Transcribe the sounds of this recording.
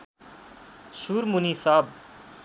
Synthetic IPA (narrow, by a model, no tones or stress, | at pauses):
suɾmunisab